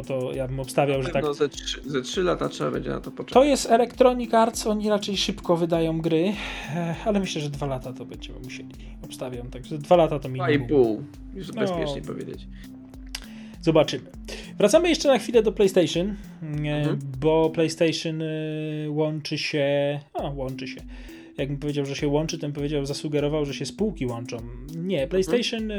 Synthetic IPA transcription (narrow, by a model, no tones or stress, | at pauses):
t̪ɔjabɘmɔpst̪avʲjawʐɛt̪aɔaʂzatʂɘlat̪atʂɛbabɛ̰ɲd͡ʑɛ̰na̰t̪ɔpɔt͡ʂt̪ɔjɛst̪ɛlɛkt̪ɾɔɲikaɾt̪sɔɲiɾat͡ʂɛjʂɘpkɔvɘd̪ajɔ̃w̃ɡɾɘ | alɛmɘɕlɛʐɛd̪valat̪at̪ɔbɛɲd͡ʑɛmɘ̰muɕelʲi | ɔpst̪avʲjamt̪aɡʐɛd̪valat̪at̪ɔmʲiajbul | jusbɛspjɛ̰ʂɲɛ̰pɔ̰vʲjḛd͡ʑḛt͡ɕ | z̥ɔbat͡ʂɘmɘ | vɾat̪samɘjɛʂt͡ʂɛnaxfʲilɛd̪ɔplɛjst̪ɛjʂɨn | bɔplɛjst̪ɛjʂɨn | wɔnt͡ʂɘɕɛawɔnt͡ʂɘɕɛ | jaɡ̚bɘmpɔvjed͡ʑawʐɛɕɛwɔnt͡ʂɘt̪ɔmpɔvjed͡ʑawzasuɡɛɾɔvawʐɛɕɛspuwkʲiwɔnt͡ʂɔ̃wɲɛplɛjst̪ɛjʂɨn